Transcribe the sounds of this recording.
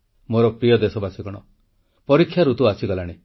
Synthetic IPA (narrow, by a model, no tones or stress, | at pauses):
moɾɔpɾijɔd̪esɔbasiɡɔɽ̃ɔ | pɔɾikʰːjaɾut̪uasiɡɔlaɽ̃i